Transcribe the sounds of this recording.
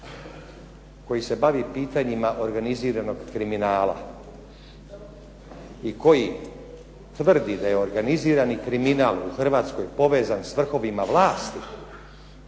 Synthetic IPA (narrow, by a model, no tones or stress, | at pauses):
ko̞jise̞baʋipiːt̪aɲimaʔo̞ɾɡaniziːɾano̞ɡkɾiminaːla̰ | iko̞ji | t̪ʋr̩d̪id̪ajeo̞ɾɡaniziːɾanikɾiminaːlˠuxr̩ʋaːt̪sko̞jpo̞ʋe̞ːzansʋr̩xo̞ʋimaʋlˠaːst̪i